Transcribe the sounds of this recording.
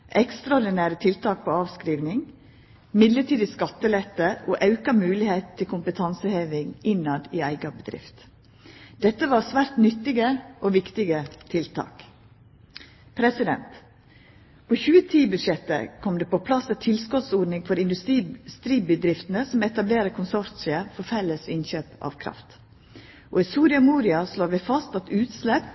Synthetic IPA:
ʔɛkst̪ɾɑɔɾɖ̪ɪnæːɾət̪ʰɪlt̪ʰɑːk̚pʰoːɑːʋskɾiːʋnɪŋ | mɪd̪ləʈiːd̪ɪskɑt̪ːəlɛt̪ːəoːʔɑʉkɑmʉːlɪheːt̪̩t̪ʰːɪlkʰʊmpət̪ʰɑnsəheːʋɪŋɪnɑd̪iːæɪɡɑbəd̪ɾɪ̰ft̪ | d̪̥ɛt̪ːəʋɑːɾsʋæːɾt̪nʏt̪ːɪɡəʔoːʋɪkt̪ɪɡət̪ʰɪlt̪ʰɑ̰ːk | pʰɾɛsɪd̪ɛ̰nt̪ | pʰoːçʉːət̪ʰiːbʉd̪ʃjɛt̪ːə̰kʰɔmd̪eːpopʰlɑsət̪ʰɪlskɔt̪suːɖnɪŋfɔɾɪnd̪ʉst̪ɾiːst̪ɾiːbəd̪ɾɪft̪n̩əsɔmɛt̪ɑbleːɾəkʰʊnsɔɾt̪sɪəfɔɾfɛlːəsɪnçøːpɑ̰ʋkʰɾɑ̰ft̪ | ʔo̰ːɪsuːɾɪɑmuːɾɪɑsloːʋɛfɑst̪ɑt̪ʉːt̪slɛp

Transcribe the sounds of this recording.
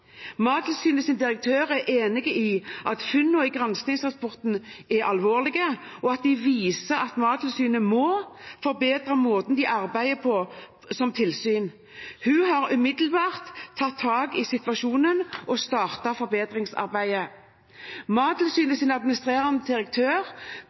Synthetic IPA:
mɑːd̪l̩syːnəsɪnd̪ɪʁək̚t̪ʰøːʁæʔeːnɪɡəʔiːʔɑt̪fʏnːɔɪɡʁɑnsnɪŋsʁɑspɔʁt̪n̩ɛʔɑlʋoːʁlɪɡə | ɔɑt̪̚d̪ɪʋiːsəɑt̪mɑːd̪lsyːnəmɔfɔʁbeːd̪ʁəmoːt̪nd̪ɪʔɑʁbæɪəpʰɔ | sɔmt̪ʰɪlsyːn | hʉɦɑʁʉmɪd̪l̩bɑːʁt̪ʰːɑt̪ʰːɑːɡɪsɪt̪ʋɑʃuːnənʔɔst̪ɑːʁt̪ɑfɔɾbeːd̪ʁɪŋsɑ̰ʁbæɪə | mɑːd̪l̩syːnəsɪnɑd̪̚mɪnɪst̪ʁeːʁɑnəd̪ɪʁək̚t̪ʰøːʁ

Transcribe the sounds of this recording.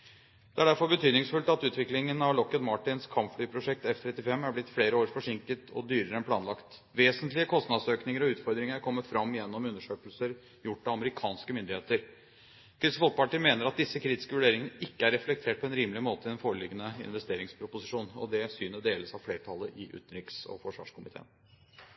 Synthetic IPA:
d̪̥ɛæɖæɾfɔɾbət̪ʰyːd̪nɪŋsfʉlt̪ɑt̪ʉːt̪ʋɪklɪŋənɑʋɭɔkːət̪mɑʈɪnskʰɑmpflyːpʰɾʊʂɛk̚t̪ɛft̪ʰɾɛt̪ːɪfɛmːæɾblɪt̪ːfleːɾəoːɾfɔʂɪŋkət̪ʰɔ̰d̪yːɾəɾəɛnpʰlɑːnlɑkt̪ | ʋeːsənt̪lɪəkʰɔst̪nɑd̪søːknɪŋəɾɔʉːt̪fɔɾd̪ɾɪŋəɾkʰɔmːəfɾɑmːjɛnːɔmʉnːəʂøːkəlsəɾ | jʊʈːɑʋɑməɾɪkʰɑːnskəmʏnd̪ɪheːt̪əɾ | kʰɾʏst̪əfɔl̚pɑʈiːmeːnəɾɑt̪̚d̪ɪsːəkʰɾiːt̪ɪ̥skəʋʉɖeːɾɪŋənəʔɪkːəæɾɛflɛk̚t̪ʰeːʈ̚pʰɔɛnɾiːməlɪmoːt̪əɛnfoːɾəlɪɡːənəɪ̰nʋɛst̪eːɾɪŋspʰɾʊpʊsɪʂuːnɔ̰d̪ɛsyːnəd̪eːləsɑʋfleːɾəʈ̪ʰɑlːəʔɪʔʉ̰ːt̪ən̩ɾɪksɔ̰fɔʂʋɑ̰ːʂkʰʊmɪt̪ʰḛːn

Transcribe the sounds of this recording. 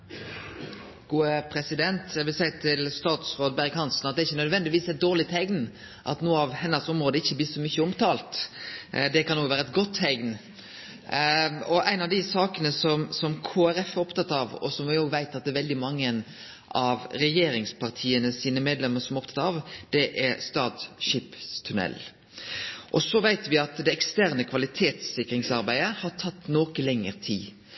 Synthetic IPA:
ɡ̥uːəpʰɾɛsɪd̪ɛnt̪ʰjæʋɪlsæɪt̪ʰɪlst̪ɑːt̪sɾoːd̪bæɾɡhɑnsn̩ɑt̪d̪ɛɾɪçːənœd̪ʋɛnd̪ɪʋiːsɛɪt̪̚d̪oːʁlɪt̪ʰɛɡn | ʔɑ̰t̪nuːəɑʋhɛnːəsɔmɾoːd̪əɪçːəbliːsɔmʏçəɔmt̪ɑːlt̪ | d̪ɛkʰɑnːoːɡʋæːɾəɛt̪̚ɡɔt̪ʰːɛɡn | ɔʔæɪnɑʋd̪ɪsɑːkənəsɔmsɔmkʰoːæɾɛfɔpt̪ɑt̪ːɑʋɔ̰sɔmʋɪoːɡʋæɪt̪ɑt̪̚ɛɾʋɛld̪ɪmɑŋːən | ʔɑʋɾɛjeːɾɪŋspʰɑʁt̪ʰiːənəsiːnəmeːd̪lɛməɾsɔmɔp̚t̪ʰɑt̪ɑʋd̪̥ɛʔɛɾst̪ɑːt̪ʃiːpst̪ʰʉnɛ̰l | ʔɔsɔʋæɪt̪ʋɪɑt̪d̪ɛɛkst̪æɾnəkʰʋɑlɪt̪ʰeːt̪sɪkɾɪŋsɑɾbæɪəhɑɾʈʰɑt̪ːnoːkəlɛŋːəɾt̪ʰiː

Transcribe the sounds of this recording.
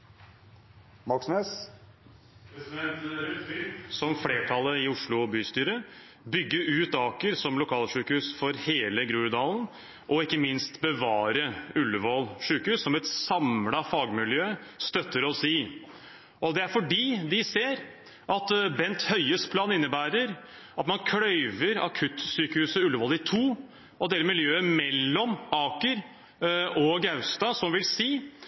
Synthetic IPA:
mɑksnøːs | pɾɛsɪd̪ɛnt̪ɾʉt̪bɪsɔmfleːʈʰɑlːəɪʊʂɭʊbyːst̪yːɾə | bʏɡːəʉːt̪ɑːkəɾsɔmlʊkʰɑːlʂʉːkəhʉːsfɔɾheːləɡɾʉːɾd̪ɑːln̩ | ʔɔɪkːəmɪnst̪bəʋɑːɾəʉlːəʋɔlʂʉːkʉːsːɔmɛt̪sɑmlɑfɑːɡmɪljøːst̪œt̪ʰːəɾɔsiː | ʔɔd̪ɛæɾfɔɖiːd̪ɪseːɾ | ʔɑt̪bɛnt̪hœʏəspʰlɑːnɪnːəbæːɾəɾ | ɑt̪mɑnkʰɽœʏʋəɾɑ̰kʰʉt̪ːsyːkəhʉːsəʉlːəʋɔːlɪt̪ʰuː | ɔd̪eːləmɪljøːəmɛlːɔmɑːkəɾ | ɔɡɑʉst̪ɑsɔmʋɪlsiː

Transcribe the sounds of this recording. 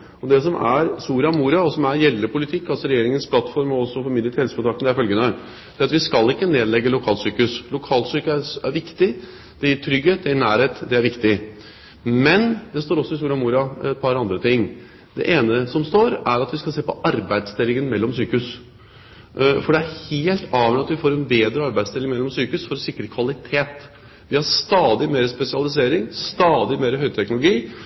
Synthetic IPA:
ɔd̪ɛsɔmʔæɾsuːɾɑmuːɾɑɔsɔmæɾjɛlːəpʰʊlɪt̪ʰɪkːɑlsɔɾɛjeːɾɪŋənspʰlɑt̪ːfɔɾmɔɔsːɔfɔɾmɪd̪ɾət̪hɛlsəkʊnʰɑkt̪d̪ɛæɾɪfœlɡənə | d̪̥æɾɑt̪ʋɪskɑlːɪkːəneːd̪lɛɡːəlʊkʰɑːlsyːkʉslʊkʰɑːlsyːkæɾʋɪkt̪ɪ | d̪̥ɛjɪʈʰɾʏɡeːt̪̚d̪ɛjɪɳæːɾheːt̪d̪ɛæɾʋɪkt̪ɪ | mɛnd̪ɛst̪oːɾɔsːɔɪsuːɾɪɑmuːɾɑɛt̪̚pʰɑɾɑnd̪ɾət̪ʰɪŋː | d̪̥ɛ̰ʔeːnəsɔmst̪oːɾæɾɑt̪ʋɪskɑseːpɔʔɑɾbæɪd̪st̪ɪlːɪŋənmɛlːɔmsyːkʉs | fɔɖɛæɾheːlt̪ʰɑːʋmɛɑt̪ʋɪfoːɾɛnbeːd̪ɾəɑɾbæɪst̪ɪlːɪŋmɛlːɔmsyːkʉsfɔɾɔsɪkɾəkʰʋɑlɪt̪ʰeːt̪ | ʋɪhɑɾst̪ɑːd̪ɪmeːɾəspɛsɪɑlɪs̬eːɾɪŋst̪ɑːd̪ɪmeːɾəɦœʏt̪ʰɛknʊlʊɡiː

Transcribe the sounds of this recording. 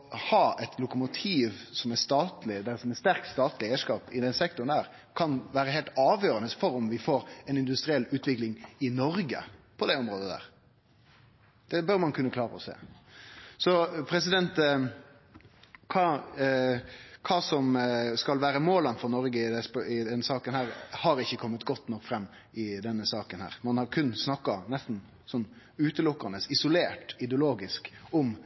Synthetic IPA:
hɑːɛt̪ʰlʊkʊmʊt̪ʰiːʋsɔmæst̪ɑːt̪lɪlsɔmɛst̪æɾkst̪ɑːt̪lɪeːʂkɑːpɪd̪ɛnsɛk̚t̪ʊɾnd̪æːɾ | kʰɑnʋæːɾəɦɛːlt̪ɑːʋjøːɾənəsfɔɾʊmʋɪfoːɾɛnɪnd̪ʉst̪ɾɪɛlːʉːt̪ʋɪklɪŋɪnɔɾɡə̰pʰɔd̪ɛɔmɾoːd̪əd̪æ̰ːɾ | d̪̥ɛbœɾmɑnkʰʉnːəkʰlɑːɾəɔ̰sḛː | sɔpʰɾɛsɪd̪ɛnt̪ | kʰɑː | kʰɑːsɔmskɑlʋæːɾəmoːlənfɔɾnɔɾɡəɪd̪ɛspɪd̪ɛnsɑːkənhæːɾhɑɾɪçːəkʰɔmːət̪ɡɔt̪ːnɔkːfɾɛmː | ɪd̪ɛnːəsɑːkənhæ̰ːɾmɑnhɑɾkʰʉnːsnɑkːɑnɛst̪n̩ | sɔnː | ʉːt̪əlʊkːɑnəsɪsʊleːʈɪd̪ɛʊloːɡɪskɔm

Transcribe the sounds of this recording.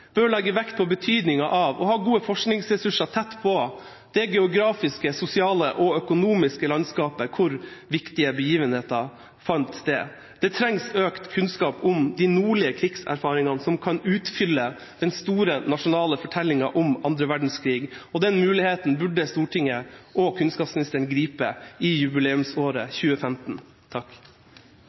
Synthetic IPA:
b̥øːlɛɡːəʋɛkt̪̚pʰɔbət̪ʰyːd̪nɪŋɑʔɑʋɔhɑːɡuːəfɔʂknɪŋsɾɛsʉʂɑt̪ʰɛt̪ːpʰɔ | d̪̥ɛɡɛʊɡɾɑːfɪskəsʊsɪɑːləʔɔœkʊnuːmɪskəlɑnskɑːpəkʰʊɾʋɪkt̪ɪəbəjiːʋənheːt̪ɑ | fɑnt̪d̪ɛ̰ | d̪̥ɛt̪ʰɾɛŋsøːkt̪kʰʉnskɑːpʊmd̪ɪnuːɭɪəkʰɾɪksæ̰ɾfɑːɾɪŋɑnsɔmkʰɑnʉːt̪fʏlːə | d̪̥ɛnst̪uːɾənɑʂʊnɑːləfɔʈʰɛlːɪŋɑʔɔmɑnd̪ɾəʋæɖɳ̩skʰɾiːɡɔd̪ɛnmʉːlɪheːt̪n̩bʉɖəst̪uːʈʰɪŋəʔɔkʰʉnskɑːpsmɪnɪst̪əɳɡɾiːpəɪjʉbɪleːʉmsoːɾəçʉːəfɛmt̪n̩ | t̪ʰɑk

